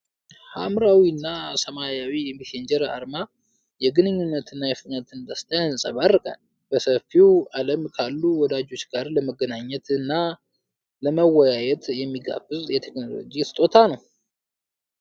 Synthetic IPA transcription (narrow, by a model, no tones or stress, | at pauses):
ha̰mɾawiɨnːasəmajawijɛmisend͡ʒɛɾa̰ɾma | jɛɡɨnɨɲːunːət̪ɨnːajɛft̪ɲat̪ʰɨnd̪əst̪ʰajansʼəβarːɨkʼə̰n | b̥əsəfːialəmkʰalːuwɔd̪ad͡ʒo̞t͡ʃːɡaɾləməɡənaɲːɛt̪ɨnːa | ləməwɔjajɛt̪jɛmːiɡa̰bɨzjɛt̪ʰekno̞lo̞̰d͡ʒist̪ʼo̞t̪ʰanəw